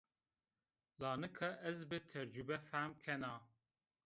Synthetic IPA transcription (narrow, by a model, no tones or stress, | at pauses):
lɑːnɨkʰɐʔɛzbɨt̪ʰɛɾd͡ʒubɛfæmkʰɛnɑ